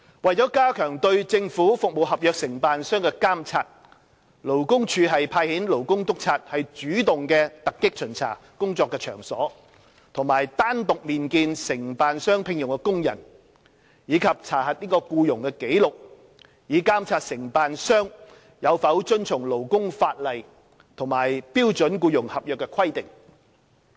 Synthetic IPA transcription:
wɐ˨jt͡sɔː˨˦˥kaː˥kʰœː˨˩ŋt̪ɵ˧ɥt͡sɪ˧ŋfuː˨˥fʊ˨k̚mo˨wɦɐ˨p̚jœː˨˧k̚sɪ˨˩ŋpaː˨nsœː˥ŋkɛː˧kaː˥mt͡sʰaː˧t̚ | lo˨˩wkʊ˥ŋt͡ʃʰyː˨˧ɦɐ˨jpʰaː˧jhiː˨˥nlo˨˩wkʊ˥ŋt̪ʊ˥k̚t͡sʰaː˧t̚hɐ˨jt͡ʃyː˨˥t̪ʊ˨ŋkɛː˧t̪ɐ˨kːɪ˥k̚t͡ʃʰɵ˨˩nt͡sʰa̰ː˨˩ | kʊ˥ŋt͡sɔː˧kːɛː˧t͡ʃʰœː˨˩ŋsɔ̰ː˨˥ | t̪ʰʊ˨˩ŋmaː˨˩jt̪aː˥nt̪ʊ˨k̚miː˨nkiː˧nsɪ˨˩ŋpaː˨nsœː˥ŋpʰɪ˧ŋjʊ˨˩ŋkɛ˧kʊ˥ŋjɐ̰˨˩n | jiː˨˧kʰɐ˨p̚t͡sʰaː˨˩hɐ˨t̚niː˥kɔː˧kuː˧jʊ˨˩ŋkɛː˧ke˨˥jlʊ˨k̚ | jiː˨˧˥kaː˥mt͡sʰaː˧t̚sɪ˨˩ŋpaː˨nsœː˥ŋ | jɐ˨˧wfɐ˨˥wt͡ʃɵ˥nt͡sʰʊ˨˩ŋlo˨˩wkʊ˥ŋfaː˧t̚lɐ˨˩j | t̪ʰʊ˨˩ŋmaː˨˩jpiː˥wt͡sɵ˨˥nkuː˧jʊ˨˩ŋhɐ˨p̚jœː˨kːɛ˧kʰwɐ˥jt̪ɪ˨ŋ

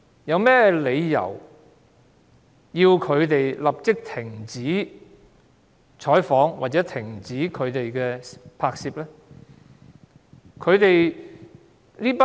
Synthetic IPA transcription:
jɐ˨˧wmɛː˥le˨˧jjɐ̰˨˩w | jiː˧wkʰɵ˨˧ɥt̪e˨jlɐ˨p̚t͡sɪ˥k̚t̪ʰɪ˨˩ŋt͡siː˨˥ | t͡ʃʰɔː˨˥jfɔː˨˥ŋwaː˨˩t̚t͡sɛː˨˥t̪ʰɪ˨˩ŋt͡siː˨˥kʰɵ˨˧ɥt̪e˨jkɛː˧pʰaː˧k̚siː˧p̚lɛː˥ | kʰɵ˨˧ɥt̪e˨j | nliː˥pa˥

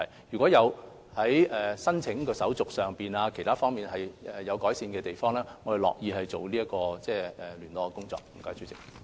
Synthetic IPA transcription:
ɐ˨˩jjyː˨˩kʷɔː˨˥jɐ˨˧w | hɐ˨˥jɛː˨sɐ˥nt͡sʰɪ˨˥ŋkɔː˧sɐ˨˥wt͡sʊ˨k̚sœː˨ŋpiː˨˩naː˧kʰe˨˩jt̪ʰaː˥fɔː˥ŋmiː˨˩nɦɐ˨jɛ˨jɐ˨˧wkɔː˨˥jsiː˧nkɛː˧t̪e˨jfɔː˥ŋlɛː˥ŋɔː˨˧he˨˩lɔ̰ː˨k̚jiː˨˧ɦɐ˨jt͡so˨wliː˥ɐ˥kːɔː˧t͡sɛː˥˩ɛ˨lyː˨˩nt̪ɔː˨˧kːkʊ˥ŋt͡sɔ̰ː˨k̚m̩˨˩kɔː˨˥jsʰy˨˥t͡sɪ˨k̚

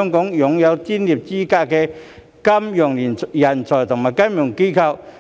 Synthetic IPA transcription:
ŋkɔː˨˥ŋjʊ˨ŋjɐ˨˧wkiː˥nliː˨p̚t͡siː˥kaː˧kɛː˧ | kɐ˥mjœː˨˩ŋliː˨˩njɐ˨˩nt͡ʃʰɔː˨˩t̪ʰʊ˨˩ŋmaː˨˩jkɐ˥njʊ˨˩ŋke˥kʰɐ˧w

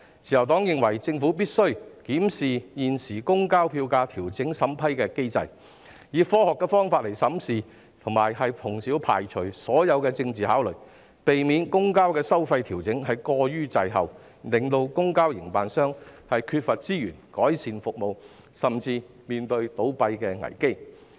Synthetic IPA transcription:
t͡sʰiː˨˩jɐ˨˩wt̪ɔː˨˥ŋjɪ˨ŋwɐ˨˩jt͡sɪ˧ŋfuː˨˥piː˥t̚sɵ˥ɥkiː˨˥msiː˨jiː˨nsiː˨˩kʊ˥ŋkaː˥wpʰiː˧wkaː˧t̪ʰiː˨˩wt͡sɪ˨˥ŋsɐ˨˥mpʰɐ˥jkɛː˧ke˥jt͡sɐ̰˧j | jiː˨˧fɔː˥hɔː˨kːɛː˧fɔː˥ŋfaː˧t̚le˨˩jsɐ˨˥msiː˨ | t̪ʰʊ˨˩ŋmaː˨˩jɦɐ˨jpʰʊ˨˩ŋsi˨˥wpʰa̰ː˨jt͡ʃʰɵ˨˩ɥsɔː˨˥jɐ˨˧wkɛː˧t͡sɪ˧ŋt͡siː˨haː˨˥wlɵ˨˩ɥ | pe˨jmiː˨˧nkʊ˥ŋkaː˥wkɛː˧sɐ˥wfɐ˧jt̪ʰiː˨˩wt͡sɪ˨˥ŋhɐ˨jkɔː˧jyː˥t͡sɐ˧jɦɐ˨w | lɪ˨ŋt̪o˧wkʊ˥ŋkaː˥wjɪ˨˩ŋpaː˨nsœː˥ŋhɐ˨jkʰyː˧t̚fɐ˨t̚t͡siː˥jyː˨˩nkɔː˨˥jsiː˨˧nfʊ˨k̚mo˨w | sɐ˨mt͡siː˧ | miː˨nt̪ɵ˧ɥt̪o˨˥wpɐ˧jkɛː˧ŋɐ̰˨˩jke˥j

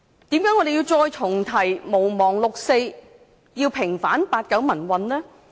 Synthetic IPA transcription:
t̪iː˨˥mjœː˨˥ŋːɔ˨˧d̪e˨jiː˧wt͡sɔː˧jt͡sʰʊ˨˩ŋt̪ʰɐ˨˩jmo˨˩wmɔː˨˩ŋlʊ˨k̚se˧j | jiː˧wpʰɪ˨˩ŋfaː˨˥npaː˧t̚kɐ˨˥wmɐ˨˩nwɐ˨nlɛː˥

